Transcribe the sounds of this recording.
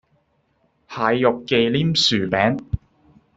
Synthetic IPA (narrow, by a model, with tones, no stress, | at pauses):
haː˨˧jːʊ˨kːe˨˧jliː˥msyː˨˩pɛː˨˥n